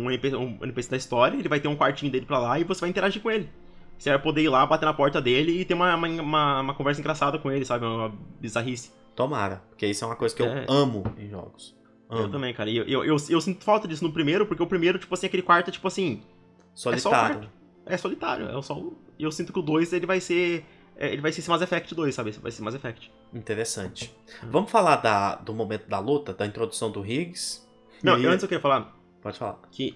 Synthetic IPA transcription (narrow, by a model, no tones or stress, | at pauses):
ɐ̃nipeṵ̃ɐ̰nipesid̪ɐist̪ɔɾjɐelɪvajt̪eɾũkwaɾt͡ʃĩɲʊd̪elɪpɾalaɪvosevajĩnt̪eɾaʒiɾkõelɪ | seapod̪eiɾlabat̪enɐpɔɾt̪ɐd̪elɪːt̪ẽũmɐũmɐ̃ũmɐũmɐkõvɛɾsɐẽŋɡɾasad̪ɐkõelɪsabɪũmɐbizaɦisɪ | t̪oma̰ɾɐ̰poɾkeesɛũmɐkojzɐkɪewɛɐ̃mʊḛ̃ʒɔ̰ɡʊs | ɐ̃ewt̪ɐ̃mbẽj̃kaɾɐɪeʔewʔewsewsĩnt̪ʊʊ̥fawˠt̪ɐd͡ʒisʊnʊpɾimejɾʊpoɾkeʊpɾimeɾʊt͡ʃi̥pʊasĩɐkelɪkwaɾt̪ʊɛt͡ʃi̥pʊasĩ | solɛistɔaɾaɾjʊʊ̥ | ɛsolit̪a̰ɾjʊ̰ɛ̰sɔʊ̰ɪewsĩnt̪ʊkɪʊd̪ojzelɪvajse | ɛ̰ḛlɪvajsesemajzefɛk̚t͡ʃɪd̪ojsːabɪsʊva̰jsema̰jzefɛk̚t͡ʃɪ̥ | ĩt̪eɾesɐ̃t͡ʃɪ̥vɐ̃mʊfalaɾd̪ɐd̪ʊmomẽnt̪ʊd̪ɐlut̪ɐd̪ɐĩnt̪ɾod̪usɐ̃w̃d̪ʊɦiɡɪs | nɐ̃w̃ɪɐ̃t͡ʃɪzewkɾiɐfala | pɔd͡ʒɪfala̰kʰɪ